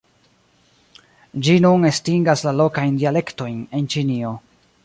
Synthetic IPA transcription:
d͡ʒinunestiŋɡaslalo̞kajndiale̞kto̞jne̞nt͡ʃinio̞

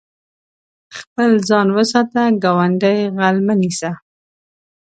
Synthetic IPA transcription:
xpəlzɑnwəsɑt̪aɡɑwaɳɖəjɣalmənisa

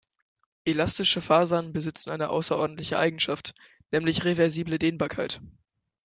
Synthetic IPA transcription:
ʔelastɪʃəfaːzanbəzɪt͡sn̩ʔaɪnəʔa̰ʊsɐʔɔɐdn̩tlɪçəʔa̰ɪɡŋ̩ʃaft | nɛːmlɪçʁevɛɐziːblədeːnbaːɐkʰaɪt

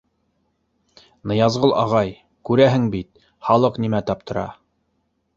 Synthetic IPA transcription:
nɤ̆jɑzʁɤlˠʔɑ̰ʁɑj | kʉɾæɦɘŋbit̪̚ | χɑlˠɤqnimæt̪ɑp̚t̪ɤ̆ɾɑ̰

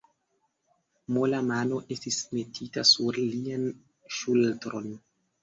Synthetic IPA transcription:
molamano̞ʔe̞stisme̞tʰitasuɾlian | ʃultɾo̞n

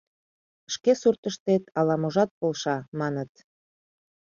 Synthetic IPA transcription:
ʃkesurt̪əʃt̪et̪ɑlɑmoʒɑt̪̚polʃɑmɑnət̪

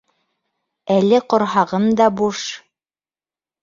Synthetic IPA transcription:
ælɘqŏɾɦɑʁɤnd̪ɑbuʃ

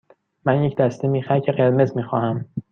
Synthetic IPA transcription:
mænjecʰd̪æst̪ʰe̞miːxæɾcʰeɣeɾme̞zmiːxɒːhæm

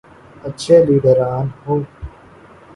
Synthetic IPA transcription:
ɐtːt͡ʃʰeːliːɖəɾaːnhoː

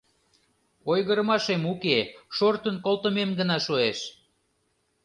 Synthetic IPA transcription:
ojɣəɾəmɑʃemukeʃort̪ənkolˠt̪əmemɡənɑʃueʃ

